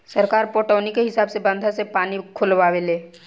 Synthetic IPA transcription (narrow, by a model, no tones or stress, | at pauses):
sɐɾkaːɾpoːʈɔːnikeɦɪsaːbsebɐ̃nd̪ʱasepaːnikʰʊlʋaːʋeleː